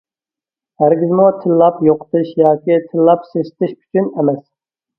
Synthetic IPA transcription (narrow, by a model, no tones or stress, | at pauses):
hæɾɡʲizmut̪ʰɪlːɑpjoqʰə̥t̪ɨʃjɑːkʲit̪ʰɪlːɑpseʃt̪ɪʃy̥t͡ʃʰynɛmɛs